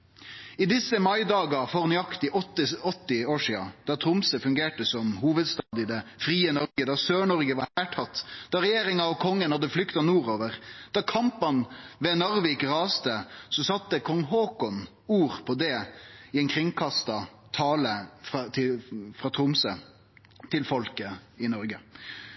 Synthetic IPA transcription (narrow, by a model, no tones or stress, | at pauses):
ɪd̪ɪsːəmɑɪd̪ɑːɡɑfɔʁnʏɑkt̪ɪʔɔt̪ːɪɔt̪ːɪoːʂiːɑ̰d̪̥ɑt̪ʰɾʊmsəfʉŋɡeːʈəsɔmhuːʋəd̪st̪ɑːd̪ɪd̪ɛfɾiːənɔɾɡəd̪ɑsøːɳɔɾɡəʋɑɾhæːʈʰɑt̪ːd̪̥ɑɾɛjeːɾɪŋɑɔkʰɔŋːənhɑd̪ːəflʏkt̪ɑnuːɾoːʋəʁd̪̥ɑkʰɑmpɑnʋɛnɔɾʋikɾɑːst̪əsɔsɑt̪ːəkʰɔŋːɦoːkɔn | uːɾpʰɔd̪ɛɪɛnkʰɾɪŋkʰɑst̪ɑt̪ʰɑːləfɑt̪ʰɪfɾɑt̪ʰɾʊmsə | t̪ʰɪlfɔlkəɪnɔɾɡə